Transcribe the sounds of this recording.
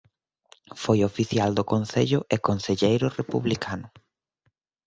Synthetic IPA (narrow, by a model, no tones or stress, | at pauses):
fojofiθjald̪ʊkonθeʎʊʔekonseʎejɾʊrepṵβlikanʊ